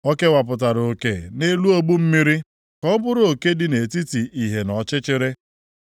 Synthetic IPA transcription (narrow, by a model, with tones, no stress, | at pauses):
ɔ˦ke˦wa˨p̬ʊ˨t̬a˨ɾo˨ke˨ne˦lu˦o˦ɡ͡bu˦m̩˦mi˦ɾi˦ | kɔ˦bʊ˦ɾo˨ke˦dɪ˨ne˨ti˦ti˨i˨ɦe˨nɔ˨t͡ʃɪ˦t͡ʃɪ˦ɾɪ˦